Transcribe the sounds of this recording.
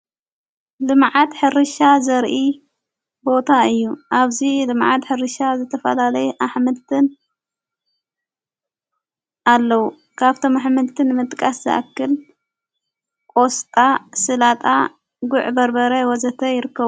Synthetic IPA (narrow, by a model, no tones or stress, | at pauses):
lɨmʕat̪ħɨɾɨʃazɐɾʔi | bo̞t̪ʰaɨjːuʔaβzilɨmʕat̪ħɨɾɨʃazɨt̪ʰɐfɐ̰lalɐjuʔaħmɨd̪t̪ʰɨn | ʔalːɐwu | kʰaβt̪ʰo̞maħmɨlt̪ʰɨnɨmɨt̪ʼkʼaszɐ̰ʔa̰kːɨl | kʼo̞st̪ʼasɨlat̪ʼa | ɡʊʕbɐɾbɐɾɐwɔzɐt̪ʰɐjɪɾɨkːɐβu